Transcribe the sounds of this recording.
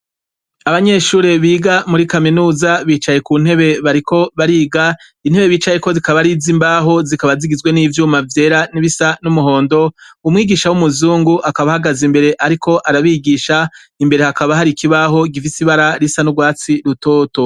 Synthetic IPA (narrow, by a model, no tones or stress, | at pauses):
aβaɲe̞ʃuːɾe̞βiːɡamuɾikaminuːzaβiːt͡ʃaje̞kuːn̥e̞βe̞βaɾikʰo̞βaɾiːɡa | in̥he̞βe̞βiːt͡ʃaje̞ko̞zikaβaɾizimbaɦo̞zikaβaziɡizɡwe̞niːvjuːmavje̞ːɾaniβisanumuɦo̞ːndo̞umŋiːɡiːʃawumuzuːŋɡuʔakaβahaɡazimbe̞ɾe̞ʔaɾikʰo̞ʔaɾaβiɡiːʃa | imbeɾe̞hakaβaɦaɾikʰiβaɦo̞ɡifisiβaɾaɾisanuɡwaːt͡siɾuto̞ːto̞